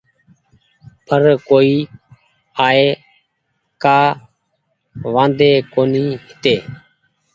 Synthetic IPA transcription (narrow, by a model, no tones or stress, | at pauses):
pʰəɾkoːiː | aːeː | kaː | ʋãːnd̪eːkoːniːhɪt̪eː